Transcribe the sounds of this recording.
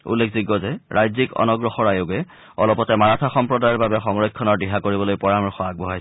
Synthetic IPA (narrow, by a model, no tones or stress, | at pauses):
ṵlːekʰziɡɔzɛɹʔajzikɔ̰nɔɡɹɔxɔɹajoɡɛ | ɔ̰lɔpɔtɛmanatʰaxɔmpɹɔdajɔɹbabɛxɔŋɹɔjkʰːɔnɔɹdiɦakoɹibɔlojpɔɹamɹɔxɔak̚bɔɦajs